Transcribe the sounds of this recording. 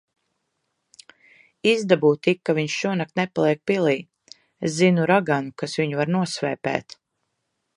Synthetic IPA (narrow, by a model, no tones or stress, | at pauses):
izd̪abuːt̪ikːaviɲʃʃuɔnak̚t̪nɛpalˠiɛk̚pilˠiː | eszinuɾaɡanukasviɲuvaɾnuɔsvɛ̰ːpɛ̰ːt̪